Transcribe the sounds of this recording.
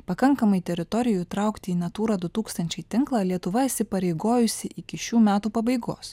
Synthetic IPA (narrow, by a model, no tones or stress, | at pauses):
pɐkɐŋkɐmɐɪt̪ʲɛɾʲɪt̪ɔɾʲɪjʊt̪ɾɐˑʊkt̪ʲɪiːnɐt̪uːɾɑːd̪ʊt̪uːkst̪ɐnʲt͡ʃʲɛɪt̪ʲɪŋklˠɑːlʲiɛt̪ʊʋɐiʃsʲɪpɐɾʲɛɪɡoːjʊsʲɪʔɪkʲɪʃʲuːmʲæːt̪uːpɐbɐɪɡo̰ːs